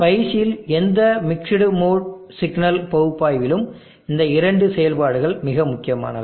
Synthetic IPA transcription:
pɐjt͡ʃːɪjɪlɛnd̪ɐmɪkʂɪɽɯmoːɽ | sɪɡnɐlpɐɣɯpːaːjʋɪlɯm | ɪnd̪ɐɪɾɐɳɖɯsɛjɐlpaːɽɯɣɐɭmɪɣɐmʊkːɪjɐma̰ːnɐ̰ðɯ

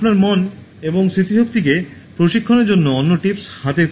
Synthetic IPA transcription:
pnaɾmɔn | eboŋsɾit̪iɦok̚t̪ikepɾoʃikʰːoneɾd͡ʑonːoɔnːoʈipshat̪e

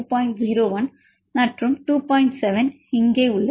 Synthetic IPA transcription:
paːɪɳʈziːɾoːʋɐn | nɐʈrɯmʈuːpaːɪɳʈsɛʋɛn | ɪŋɡeːʊɭːɐ

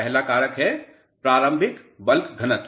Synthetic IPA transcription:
ɛɦlakaːɾəkɦɛ | pɾaːɾə̃mbʱɪkbəlkɡʱɐnət̪

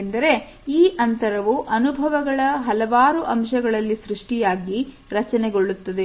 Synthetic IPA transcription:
nd̪ɐɾe̞ | iːʔɐnt̪ɐɾɐʋuʔɐnubʱɐʋɐɡɐɭɐɦɐlɐʋaːɾuʔɐmʃɐɡɐɭɐlːisɾuʂʈijaːɡi | ɾɐt͡ʃɐneɡo̞ɭːut̪ːɐd̪e

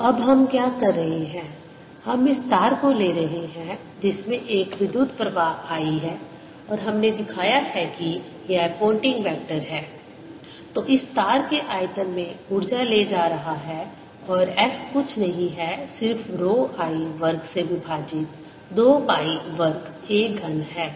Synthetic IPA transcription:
ɐbɦɐmkjaːkɐɾːɐɦeɦɛ̃ː | hɐmɪst̪aːɾkoleːɾɐɦeɦɛ̃ | d͡ʒɪsmẽʔeːkʋɪd̪uːd̪ʱpɾɐʋaːɦaːiɦɛː | ɔːɾɦɐmned̪ɪkʰaːjaɦɛki | jɛɦpõːɳʈɪ̃ŋɡʋɛːk̚ʈəɾɦɛː | t̪oːʔɪst̪aːɾkeʔaːjt̪əmːẽʊɾd͡ʒaled͡ʒaːɾɐɦaɦɛː | ɔːɾɛːskʊt͡ʃʰnɐɦĩɦɛsɪɾfɾoːaːiʋɐɾksebʱibʱaːd͡ʒɪt̪ | d̪oːbaːiʋɐɾkt͡ʃeːɡʱɐnɦɛː

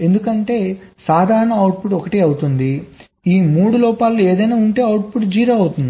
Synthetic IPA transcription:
e̞nd̪ukɐɳʈe̞ːsaːd̪ʱaːɾɐɳɐɐwʈ̚puʈɔkɐʈiːɐwut̪und̪i | iːmuːɽulɔːpaːlue̞ːd̪ɐjnaːuɳʈe̞ːɐwʈ̚puʈd͡ʒiːɾɐːɐwut̪und̪ii

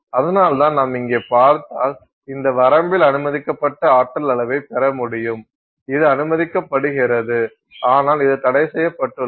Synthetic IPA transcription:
ɐðɐnaːlt̪ãːnɐmɪŋɡeːpaːɾt̪aːl | ɪnd̪ɐʋɐɾɐmbɪlɐnɯmɐðɪkːɐpːɐʈːɐaːʈːɐlɐlɐʋɐɪpɛɾɐmʊɽɪjɯm | ɪðɯɐnɯmɐðɪkːɐpːɐɽɯɣɪɾɐðɯ | aːnaːlɪðɯt̪ɐɽɐɪsɛjːɐpːɐʈːɯ

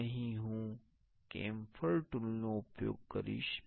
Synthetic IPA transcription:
əɦĩɦũː | kḛ̃ːmfʰəɭʈʊlːoupjo̰ːɡ̚kəɾḭʃ

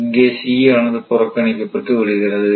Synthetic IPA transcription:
ɡeːsiaːɳɐðɯpʊrɐkːɐɳikʲːɐpːɐʈːɯʋɪɻɯɣɪrɐðɨ

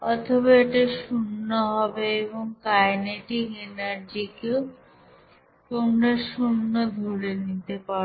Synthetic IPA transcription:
ɔt̪ʰobaeʈeʃunːoɦɔbeeboŋkajneʈikenaɾd͡ʑikeo | komɖeʃunːod̪ʱuɽenit̪epa

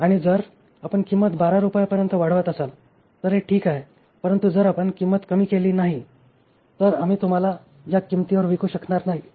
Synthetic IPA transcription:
aɽ̃id͡zəɾ | apəɳkimːət̪baɾaɾupajpəɾjənt̪əʋaɽ̤ʋət̪əsal | t̪əɾɦeʈʰiːkaɦe | pəɾənt̪ud͡zəɾapəɳkimːət̪kəmiːkeliːnaɦi | t̪əɾam̤iːt̪um̤ala | d͡ʑjakimt̪iʋəɾʋikuːɕəkɳaɾnaɦi

